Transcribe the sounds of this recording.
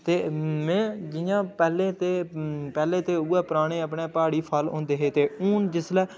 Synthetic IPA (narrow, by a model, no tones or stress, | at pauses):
t̪eːmɛ̃ːd͡ʒɪjãːpɛːleːt̪eːpɛːleːt̪eːuːɛːpəɾaːɽ̃eːəpɳeːpaːɽiːpʰaːlõ̰ːnd̪eːɦeːt̪eːuːnd͡ʒɪslɛː